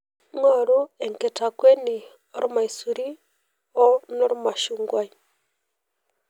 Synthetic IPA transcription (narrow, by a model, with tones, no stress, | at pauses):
ŋo˦ɾu˦e˨ŋke˨takwe˦ni˨ | o˦ɾu˦ma˨i˨su˨ɾi˦ | o˦no˦ɾu˦ma˨ʃuŋɡwa˦i˦